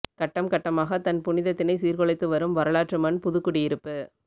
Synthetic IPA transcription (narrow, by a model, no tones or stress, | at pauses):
kɐʈːɐmkɐʈːɐmaːɣɐt̪ɐnpʊnɪðɐt̪ːɪnɐɪsiːɾkɔɭɐɪt̪ːɯʋɐɾɯmʋɐɾɐɭaːʈrɯmɐnpʊðɯkːɯɽɪjɪɾɯpːɯ